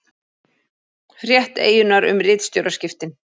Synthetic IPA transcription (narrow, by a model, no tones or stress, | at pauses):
fɾjɛht̪ḛːjʏnaɾʏ̰mrɪːt̪st̪jowɾascɪft̪ɪn